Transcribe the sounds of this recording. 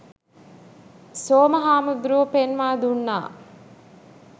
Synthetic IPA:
soːmɐɦaːmuɡ̪ɾuʋpenʋaːd̪unːa̰ː

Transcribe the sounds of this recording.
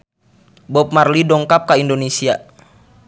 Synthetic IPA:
bɔp̚marlidɔŋkap̚kaindonesia

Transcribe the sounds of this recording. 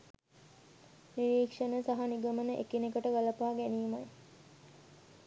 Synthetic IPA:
niɾiːkʂɐnəsaɦɐniɡɐmənəʔekinekəʈəʋɐlɐpaːɡæniːmɐj

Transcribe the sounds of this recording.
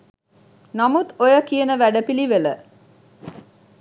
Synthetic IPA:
namut̪ojəkijənəʋæɖəpiliʋelə

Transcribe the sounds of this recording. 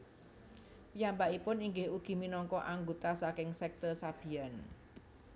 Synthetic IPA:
pijambaʔipʊniŋɡɪhuɡ̥i̤minɔŋkɔʔaŋɡot̪asakɪŋsɛk̚t̪ərsab̥i̤an

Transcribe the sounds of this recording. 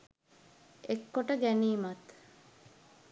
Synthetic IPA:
ekːoʈəɡæniːmɐt̪

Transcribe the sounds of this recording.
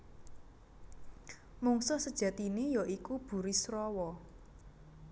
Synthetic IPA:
muŋsɔsəd̥ʒ̥ä̤t̪inejoʔikub̥ṳɾisɾɔwɔ

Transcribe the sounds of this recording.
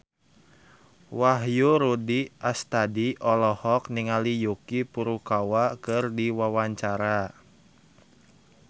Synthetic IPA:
waɦjuɾudiʔast̪adiʔɔlɔhɔk̚niŋalijukipuɾukawakɨrdiwawaɲt͡ʃaɾa

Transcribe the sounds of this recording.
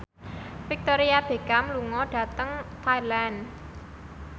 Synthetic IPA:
fik̚t̪oɾiab̥e̤ɡamluŋɔɖ̥ä̤t̪əŋt̪ʰailan

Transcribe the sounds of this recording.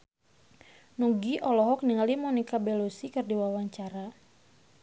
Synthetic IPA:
nuɡiʔɔlɔɦɔk̚niŋalimɔnikabɛlosikɨrdiwawaɲt͡ʃaɾa

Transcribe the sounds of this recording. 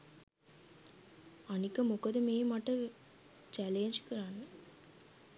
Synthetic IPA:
ɐnɪkːɐmʊkɐðɯmeːmɐʈːɐ | t͡ʃaːleːɲd͡ʒɯ̥kːɪɾaːn

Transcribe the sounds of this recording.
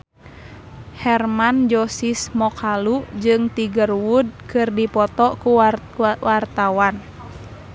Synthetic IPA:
hɛrmand͡ʒɔsismɔkʰalud͡ʒɨŋt̪iɡərwud̚kɨrdipɔt̪ɔku | wart̪awan

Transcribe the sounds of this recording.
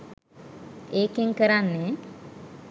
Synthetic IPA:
eːkiŋkəɾanːe

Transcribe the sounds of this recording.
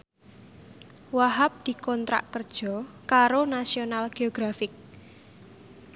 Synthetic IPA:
waɦap̚d̪̥i̤kɔnt̪ɾa̰ʔkərd̥ʒ̥ɔ̤ | kaɾonasionalɡ̥eoɡ̥ɾafɪk̚

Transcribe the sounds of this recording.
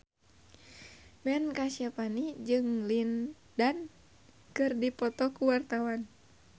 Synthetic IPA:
mɛnkasiapanid͡ʒɨŋlin | dan | kɨrdipɔt̪ɔkuwart̪awan

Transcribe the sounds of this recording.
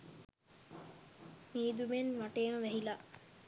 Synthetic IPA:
miːd̪umenʋaʈeːməʋɛɦila

